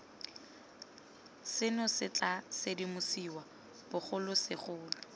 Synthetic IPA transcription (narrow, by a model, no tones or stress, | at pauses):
sɪnʊsɪt͡ɬasɪdimʊsiwa | b̥ʊχʊlʊsɪχʊːlʊʊ